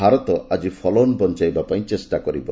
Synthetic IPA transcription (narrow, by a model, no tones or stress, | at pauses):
aɾɔt̪ɔʔad͡ʒipʰɔlɔnbɔnt͡ʃajbapaj̃t͡ʃesʈakɔɾḭbɔ̰